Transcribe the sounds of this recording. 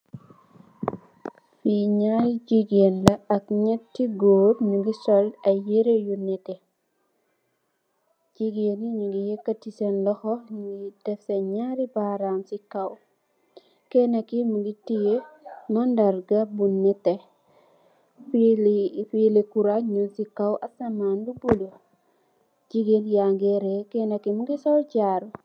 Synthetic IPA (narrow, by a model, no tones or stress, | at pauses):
fiɲaɾiɟiɡenlɐɐk̚ɲɛtːiɡoːɾɲuɡisɔlɐjeɾejunːɛte | d͡ʒiɡeniɲuɡijekːatisenlɔxɔɲidɛfseɲaɾibaɾamsikaw | kenakimuɡitijenɔndaɾɡabunːete | f | filekuɾaɲunsikawʔasɐmaːnbubulo | d͡ʒiɡeljaŋɡeɾekɛnakimuɡisɔlɟaːɾu